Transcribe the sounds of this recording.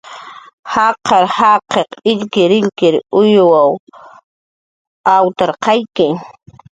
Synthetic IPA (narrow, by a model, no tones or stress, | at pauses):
hɑqʰɑɾhɑqeqɪʎkɪɾɪʎkɪɾʊjwaw | awt̪aɾqɑjkɪ